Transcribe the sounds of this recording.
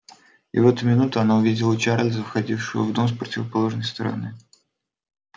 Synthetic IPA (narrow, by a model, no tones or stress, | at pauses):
ɪ̰vɛt̪ʊmʲɪnut̪ʊɐnaʊvʲidʲɪlˠət͡ɕaɾlʲzəfxɐdʲifʂɨvə̰vd̪omspɾətʲɪvəpɐlˠo̞ʐnəjst̪əɾɐ̰nɨ